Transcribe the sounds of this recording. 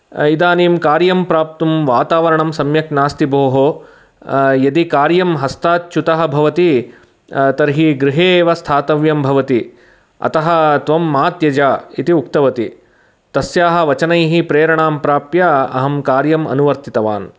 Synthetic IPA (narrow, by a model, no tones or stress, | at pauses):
id̪aːniːmkaːɾjɐmpɾaːp̚t̪umʋaːt̪aːʋɐɾɐɳɐmsɐmjɐknaːst̪ibʱoːɦo | jɐd̪ikaːɾjɐmɦɐst̪aːt̪̚t͡ʃut̪ɐɦɐ̆bʱɐʋɐt̪i | t̪ɐɾɦiɡɾɪɦeːʋɐst̪ʰaːt̪ɐʋjɐmbʱɐʋɐt̪i | ɐ̰t̪ɐɦɐ̆t̪ʋɐmːaːt̪jɐd͡ʒaːit̪iuk̚t̪ɐʋɐt̪i | t̪ɐsjaːɦɐ̆ʋɐt͡ʃɐnɐjɦipɾeːɾɐɳaːmpɾaːpjaɐɦɐmkaːɾjɐmɐ̰nuʋɐɾt̪it̪ɐʋa̰ːn